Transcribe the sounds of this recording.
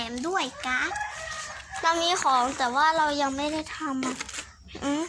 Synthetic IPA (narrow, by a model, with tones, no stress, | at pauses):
ɛː˩˦mdu˥˩əjka˦˧˥ | la˧miː˧xʰɔː˩˦ŋt̪ɛː˨˩waː˥˩ɾa˧wja˧ŋma˥˩jda˥˩jt̪ʰa˧ma˨˩ | ʔɯː˧˩